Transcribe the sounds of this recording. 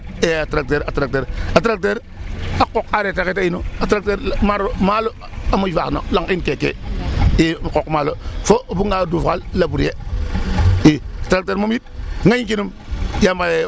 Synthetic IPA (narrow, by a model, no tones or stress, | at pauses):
eatɾak̚teɾatɾak̚teɾatɾak̚teɾ | akokaɾetaketajinuatɾak̚teɾmaɾomalo | amujfano̰laŋinkekḛimakokmalofobuŋɡadufkallabuɾje | iatɾak̚teɾmomit̚ŋaɲikinum | jambaje